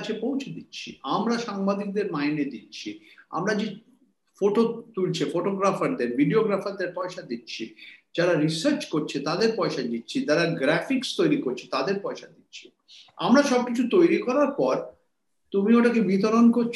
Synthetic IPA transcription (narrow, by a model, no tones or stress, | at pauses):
t͡ɕʰepowt͡ɕʰed̪itːɕʰḭamɾaʃaŋbad̪ik̚d̪eɾmajned̪itːɕʰia̰mɾad͡ʑe | foʈot̪ult͡ɕʰefoʈoɡɾafaɾd̪eɾbʱiɖioɡɾafaɾd̪eɾpɔeʃad̪itːɕʰid͡ʑaɾaɾisəɾt͡ɕkoɾt͡ɕʰet̪ad̪eɾpɔeʃad͡ʑit̪ːɕʰit̪aɾaɡɾɛfikst̪ojɾikoɾt͡ɕʰet̪ad̪eɾpɔeʃad̪itːɕʰi̥ | a̰mɾaʃɔb̚kit͡ɕʰut̪ojɾikɔɾaɾpɔɾ | t̪umioʈakebit̪̬oɾonkoɾʰ